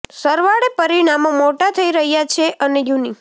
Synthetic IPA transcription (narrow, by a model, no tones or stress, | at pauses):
səɾʋaɽepəɾiɽ̃amomoʈat̪ʰəiɾəɦjat͡ʃʰeʔənejuni